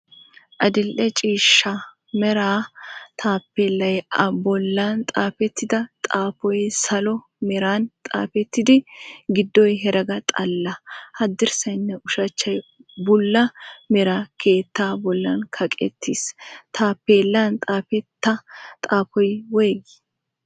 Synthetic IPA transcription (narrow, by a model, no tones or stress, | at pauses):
ʔɐd̪ɪlʔɛt͡ʃʼiːʃːɐ | mɛɾaːt̪ʰʼaːpːeːlːɐjɐbɔlːant̪ʼaːfɛt̪ːɪd̪ɐt̪ʼaːpɔjsɐlɔ | mɛɾaːnt̪ʼa̰ːfɛt̪ːɪd̪ɪɡɪd̪ːɔjɦɛɾɐɡɐt̪ʼɐlːɐhɐd̪ːɪɾsɐjnːɛʔʊʃɐt͡ʃːɐjbʊlːɐmɛɾaːkʰeːt̪ːaːbɔlːɐnkʰɐkʼɛ̰t̪ːist̪ʰaːpːeːlːant̪ʼaːpɛt̪ːɐt̪ʼaːpɔjweːɡ